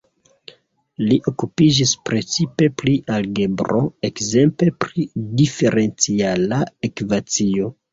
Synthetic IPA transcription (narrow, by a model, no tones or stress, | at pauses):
liʔo̞kupid͡ʒispɾe̞t͡sipe̞pliʔalɡe̞bɾo̞̰e̞kze̞mpe̞pɾidife̞ɾe̞nt͡sialaekvat͡sio̞